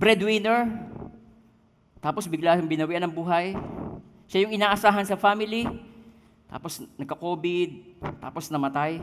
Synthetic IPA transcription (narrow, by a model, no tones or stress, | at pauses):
bɾɛd̪wɪnɛɹ | t̪aːposbɪɡlajʊŋbɪnɐwiʔanɐŋbuːɦɐj | ʃajʊŋɪnaːʔɐsaːɦɐnsɐfaːmɪli | t̪a̰ːposnɐɡ̚kɐkoːbɪd̪̚t̪a̰ːposnɐmɐt̪aj